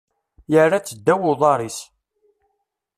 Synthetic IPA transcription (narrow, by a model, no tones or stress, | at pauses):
jərːat͡sːəd̪ːæwʊðˤɑɾˤis